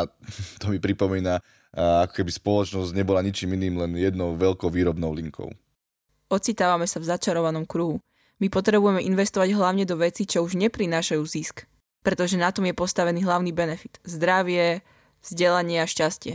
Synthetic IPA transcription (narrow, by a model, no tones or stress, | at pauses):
at̪ɔmipɾipɔmiːna | akɔ̥kɛbispɔlɔt͡ʃnɔzɟɲɛbɔlaɲit͡ʃiːminiːmlɛnjɛd̪nɔʊʋɛlkɔʊʋiːɾɔbnɔʊliŋkʰɔ̰ʊ | ɔt͡sit̪aːʋamɛsavzat͡ʃaɾɔʋanɔmkɾuɦu | mipɔt̪ɾɛbujɛmɛʔinʋɛst̪ɔʋaɟɦlaʊɲɛd̪ɔʋɛt͡sit͡ʃɔuʒɲɛpɾinaːʃajuːzisk | pɾɛt̪ɔʒɛnat̪ɔmjɛpɔst̪aʋɛniːɦlaʊniːbɛnɛfit̪zd̪ɾaʋɪɛ | z̥ɟɛlaɲɪɛaʃcascɪɛ